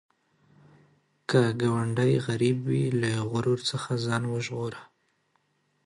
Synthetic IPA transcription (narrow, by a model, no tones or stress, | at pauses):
kəɡawaɳɖajɣaɾibwilaɣʊɾoɾt͡səxazɑnwəʒɣoɾa